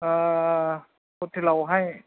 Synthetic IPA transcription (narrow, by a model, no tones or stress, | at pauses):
ʔaː | ot̪ʰilawɦaj